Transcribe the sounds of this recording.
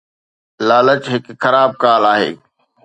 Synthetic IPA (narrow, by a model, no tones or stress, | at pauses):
laːlət͡ɕɦɪkxɐɾaːb̚kaːlaːɦḛː